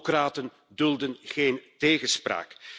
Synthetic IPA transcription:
kraːtən | dɵlˠdənɣeːnteːɣəspra̰ːk

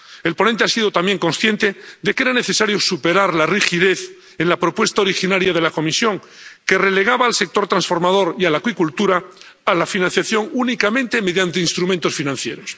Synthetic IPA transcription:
e̞lpo̞nent̪̬easiðo̞t̪ambje̞ŋko̞nsθje̞nt̪e̞d̪e̞ke̞ɾane̞θe̞saɾjo̞supe̞ɾaɾlarixiðe̞θ | enlapɾo̞pwe̞st̪aoɾixinaɾjaðe̞lako̞misjo̞ŋ | kere̞le̞ɣ̞aβaːlse̞k̚t̪o̞ɾt̪ɾãnsfo̞ɾmað̞o̞ɾialakwikult̪uɾaː | lafinãnθjaθjo̞ŋunikamẽ̞nt̪e̞me̞ðjant̪einst̪ɾumẽnt̪o̞sfinãnθje̞ɾo̞s

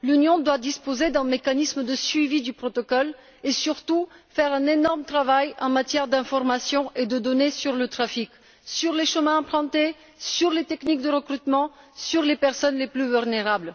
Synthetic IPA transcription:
lynjɔ̃d̪wad̪ispozed̪ɛ̃mekanismd̪əsɥivid̪ypχɔt̪ɔkɔl | esyʁt̪ufɛʁɛ̃nenɔʁmt̪χavajɑ̃mat̪jɛʁd̪ɛ̃fɔʁmasjɔ̃ʔed̪əd̪ɔnesyʁlət̪χafik | syʁleʃəmɛ̃ɑ̃plɑ̃t̪e | syʁlet̪ɛknik̚d̪əʁəkχyt̪mɑ̃ | syʁlepɛʁsɔnleplyvylneʁabl

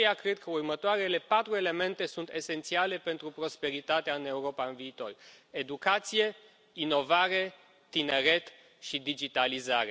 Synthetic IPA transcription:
jakɾed̪̚kəurmət̪oaɾe̞le̞pat̪ɾue̞le̞me̞nt̪e̞sunt̪e̞se̞nt̪siale̞pe̞nt̪ɾupɾo̞spe̞ɾit̪at̪eaɨne̞uɾo̞paɨnviːt̪o̞re̞d̪ukat̪sije̞ | ino̞vaɾe̞ː | ine̞ɾe̞t̪ | ʃid̪id͡ʒit̪alizaɾe̞

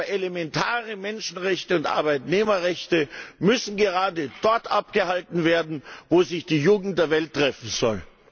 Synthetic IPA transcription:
ɐʔelemɛntʰaːʁəmɛnʃn̩ʁɛçtəʊntʔa̰ɐbaɪtneːmɐʁɛçtəmʏsn̩ɡəʁaːdəd̥ɔɐtʔap̚ɡ̥əhaltn̩veːɐdn̩voːzɪçd̥iːjuːɡŋ̩t̚d̥eːɐvɛltːʁ̥ɛfn̩zɔ̰l

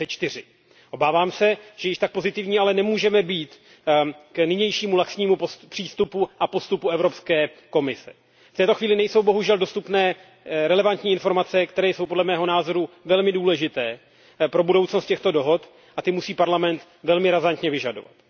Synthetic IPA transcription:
ɛt͡ʃt̪ɪrɪ | ʔo̞baːvaːmsɛʒ̥ɛjɪʃt̪ak̚po̞zɪt̪ɪvɲiːalɛnɛmuːʒɛmɛbiːt̪ | knɪɲɛjʃiːmulaksɲiːmuppr̥iːst̪upuʔapo̞st̪upuɛvɾo̞pskɛːko̞mɪsɛ̥̰ | ft̪ɛːt̪o̞xviːlɪnɛjso̞wbo̞ɦuʒɛldo̞st̪upnɛː | ɾɛlɛvant̪ɲiːɪnfo̞ɾmat͡sɛkt̪ɛɾɛːjsowpdlɛmɛːɦo̞naːzo̞ɾuvɛlmɪduːlɛʒɪt̪ɛː | pɾo̞budo̞wt͡sno̞st̪cɛxt̪o̞do̞ɦo̞t̪ | ʔat̪ɪmusiːpaɾlamɛnt̪ | vɛlmɪɾazant̪ɲɛvɪʒadova̰t̪

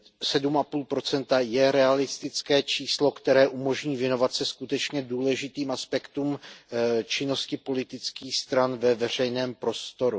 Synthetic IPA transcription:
sɛdumʔapuːlpɾo̞t͡sɛnt̪ajɛɾɛalɪst̪ɪt͡skɛːt͡ʃiːslo̞kt̪ɛɾɛːʔumo̞ʒɲiːvjɛno̞vat̪sɛskut̪ɛt͡ʃɲɛduːlɛʒɪt̪iːmʔaspɛkt̪uːm | t͡ʃɪno̞scɪpo̞lɪt̪ɪt͡skiːxst̪ɾanvɛvɛr̝ɛjnɛːmpɾo̞st̪o̞ɾu

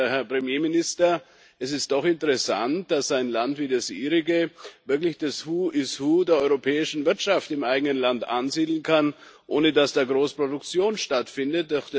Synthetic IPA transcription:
hɛɐpʁ̥əmjeːmɪnɪstɐ | ʔɛsɪst̚d̥ɔχɪntəʁɛsa̰nt̚d̥asz̥aɪnlantv̥iːdasʔḭːʁɪɡəvɪɐklɪçd̥ashuːʔɪshuːdeːɐɔʏʁopʰɛːɪʃn̩vɪɐtʃaftɪmʔaɪɡənənlantʔa̰nziːdl̩n̩kʰan | ʔoːnədasd̥aːɡʁoːspʁ̥odʊkt͡sjoːnʃtatfɪndət̚dɔχ

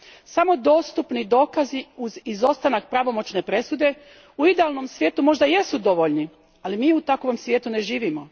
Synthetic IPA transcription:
samo̞d̪o̞ːst̪upnid̪o̞ːkaziuzizo̞st̪anak̚pɾaʋo̞mo̞t͡ʃne̞pɾe̞sud̪e̞ | uid̪ealno̞msʋʲje̞ːt̪umo̞ʒd̪aje̞sud̪o̞ʋoʎni | alimiːut̪akoʋo̞msʋjeːt̪une̞ʒiːʋimo̞

